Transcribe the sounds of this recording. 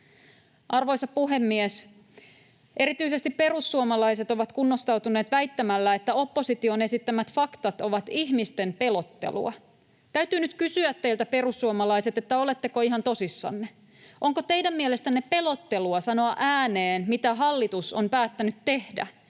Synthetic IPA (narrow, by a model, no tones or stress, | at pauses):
ʔɑrʋojsɑpuɦe̞mːies | ʔe̞ɾit̪yise̞st̪ippe̞ɾusːuomɑlɑise̞t̪o̞ʋɑt̪kunːost̪ɑwt̪une̞ːt̪ʋæit̪ːæmælːæet̪ːæo̞pːo̞sit̪ione̞sit̪ːæmæt̪fɑkt̪ɑt̪oʋɑt̪ihmist̪empe̞lot̪ːe̞̰lṵɑ̰ | t̪æyt̪yːnyt̪kysyæt̪ːeilt̪æpe̞ɾusːuomɑlɑise̞t̪et̪ːæo̞le̞t̪ːekoiɦɑnt̪o̞sisːɑ̰nːe | ʔo̞ŋkot̪e̞jdæmmiele̞st̪ænːepe̞lot̪ːe̞luɑsɑno̞ɑʔæːneːnmit̪æɦɑlːit̪usompæːt̪ːænyt̪tːe̞hdæ̰